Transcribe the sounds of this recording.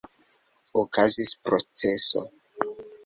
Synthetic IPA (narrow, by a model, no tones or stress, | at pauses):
okʰazispɾot͡se̞so̰